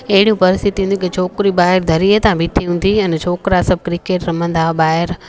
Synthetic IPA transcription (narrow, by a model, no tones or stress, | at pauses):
ɐɦɪɽiũpɐɾɪst̪ʰit̪iɦũnd̪ũkit͡ɕʰoːkɾibaːɦɪɾd̪ʱɐɾiːət̪ãbʱiʈʰiɦũːn̆d̪iɛnt͡ɕʰoːkɾasɐb̚ʱkɾɪkeːʈɾɐm̤ə̃nd̪aɓaːɦɪɾ